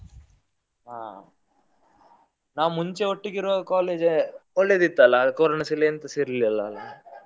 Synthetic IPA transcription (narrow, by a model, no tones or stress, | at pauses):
ɦaː | naːʋumuɲt͡ʃeoʈːiɡiɾɔkaːleːd͡ʒɔɭːeːd̪it̪ːaːlakoːɾɐɳɐsileɐnt̪ɐsiɾliɐlːɐːlːa